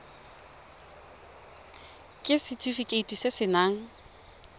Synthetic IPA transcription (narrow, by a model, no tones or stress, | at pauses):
kʼɪsɪtʼifikʼeitʼisɪsɪnaːŋ̩